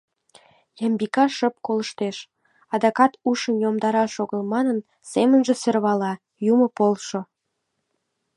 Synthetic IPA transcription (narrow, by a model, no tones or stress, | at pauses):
jɑmbikɑʃə̆p̚kolˠə̆ʃt̪eʃ | ɑd̪ɑkɑt̪uʃənjomd̪ɑɾɑʃoɣəlˠmɑnən | semənʒĕserβɑlɑ | jumŏpolˠʃo